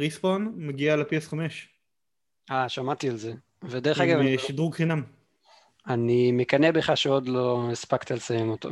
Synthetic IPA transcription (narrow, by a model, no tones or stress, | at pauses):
ʁisponmaɡialepiesχameʃ | aʃamat̪ialze | ved̪eʁeχaɡavʃiduʁɡχinam | animekanebeχaʃeod̪lo̞espakt̪alesajemot̪o